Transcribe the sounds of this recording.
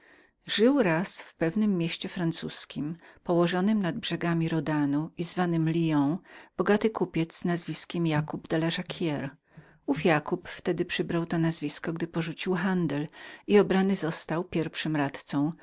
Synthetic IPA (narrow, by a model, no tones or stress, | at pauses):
ʐɘwɾasfpɛvnɘmːʲjeɕt͡ɕɛfɾant̪suskʲimpɔwɔʐɔnɘmnad̪̚bʐɛɡamʲiɾɔd̪anuizvanɘmlʲijɔ̃w̃b̥ɔɡat̪ɘkupʲjɛt̪z̥znazvʲiskʲɛmjakubd̪alaʐakʰʲjɛɾ | ufjakupft̪ɛd̪ɘpʂɘbɾawt̪ɔnazvʲiskɔɡd̪ɘpɔʐut͡ɕiwxand̪ɛliɔbɾanɘzɔst̪awpʲjɛɾfʂɘmɾat̪t̪sɔ̃w̃